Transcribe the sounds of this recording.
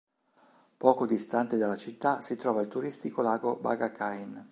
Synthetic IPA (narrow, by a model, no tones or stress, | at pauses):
pɔːkod̪ist̪ant̪ed̪alːat͡ʃit̪ːasit̪ɾɔːvailt̪uɾist̪ikolaːɡoba̰ɡakʰajin